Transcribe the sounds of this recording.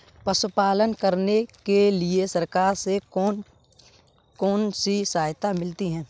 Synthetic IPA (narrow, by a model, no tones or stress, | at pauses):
pɐsʊpaːlənkəɾnekeliesɐɾkaːɾseɔ | kɔːnsisaːɦjt̪amɪlt̪iɦɛ̃ː